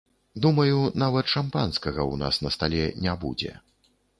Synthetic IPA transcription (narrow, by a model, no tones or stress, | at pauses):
d̪umɐjunavɐt̪ʂampanskɐɣɐwna̰snɐst̪alʲɛnʲabṵd͡zʲɛ̰